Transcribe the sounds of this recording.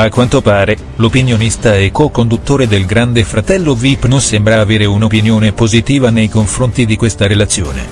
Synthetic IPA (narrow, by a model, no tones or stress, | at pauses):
akːwant̪opaːɾe | lopinjonist̪aɛkːɔkond̪ut̪ːoːɾed̪elɡɾand̪efɾat̪ɛlːovipːnonsembɾaːveːɾeunopinjoːnepozit̪iːvanejkoɱfɾont̪id̪ikwest̪aɾelat̪sːjo̰ːnḛ